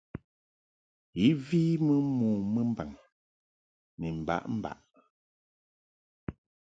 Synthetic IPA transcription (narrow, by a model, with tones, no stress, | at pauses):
i˨˦viː˦mə˦muː˨mə˦m̩˦ba˨ŋ | ni˨m̩˨ba̰˦ʔm̩˦ba̰˨ʔ